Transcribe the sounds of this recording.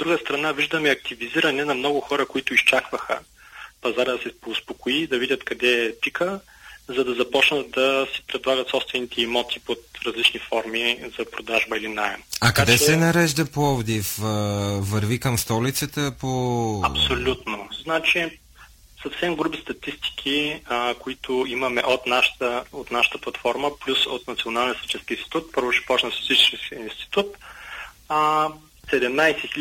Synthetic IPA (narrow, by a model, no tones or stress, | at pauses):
od̪ɾuɡəst̪ɾɐnaviʒd̪əmɛɐk̚t̪iviziɾɐnɛnɐmnɔɡʊxɔɾəkoit̪ʊist͡ʃakvəxə̰ | pɐzaɾəd̪ɐsɛpoːspokoid̪ɐvidʲɐt̪kɐd̪ɛpikə | zɐd̪ɐzɐpɔt͡ʃnət̪̚d̪ɐsi̥pɾɛd̪lˠaɡɐt̪sɔpst̪vɛnit̪ɛimɔt̪ipot̪ɾɐzlit͡ʃnifɔɾmizɐpɾod̪aʒbəilinaɛmɐkɐd̪ɛsɛɛnɐɾɛʒd̪ɐpɔvd̪if | vɐɾvikɐmst̪ɔlit̪sət̪əpoɐpsolʲut̪noznat͡ʃi | sɐfsɛmɡɾubist̪ɐt̪ist̪i̥k̟ʰikʊit̪ʰʊimɐmɛʔot̪naʃt̪əot̪naʃə̥t̪əplˠɐt̪fɔɾməplʲusot̪̚nɐt̪sionalˠnʲiəsit͡ʃɛnskʲiːnst̪i̥t̪ut̪̚pɤɾvʊt͡ʃɛ̥pɔt͡ʃnəsizit͡ʃɛ̥skɛinst̪i̥t̪ut̪̚ | sɛd̪ɛmnajsɛxi